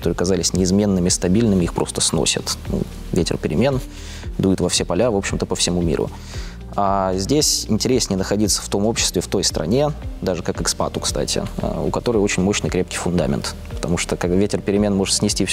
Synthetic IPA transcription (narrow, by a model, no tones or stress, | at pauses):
kɐ̥t̪oɾɨjɐkɐzalʲɪsʲnʲɪɪzmʲe̞nːɨmʲɪst̪ɐbʲilʲnɨmʲɪixpɾʔo̞st̪əsno̞̰sʲə̰t̪nṵ | vʲetʲɪ̰rpʲɪɾʲɪmʲe̞n | d̪ujɪt̪vɐfsʲepɐlʲavo̞pɕːɪmt̪əpəfsʲɪmumʲḭɾʊ̰ | azʲdʲesʲɪ̰nʲtʲɪɾʲesʲnʲɪənəxɐdʲit̪sə̥ft̪o̞mo̞pɕːɪst̪vʲɪft̪o̞jst̪ɾʔɐ̰nʲe̞d̪aʐɨkakɨkspa̰t̪ʊkst̪a̰tʲɪ̰a̰ʊ̰kɐt̪o̞ɾəjo̞t͡ɕɪnʲmo̞ɕnɨjkɾʲep̚kʲɪjfʊnd̪a̰mʲɪ̰nt̪ | pə̥t̪ɐmuʂt̪əkaɡbvʲetʲɪrpʲɪɾʲɪmʲe̞nmo̞ʐɨt̪sʲnʲɪsʲtʲif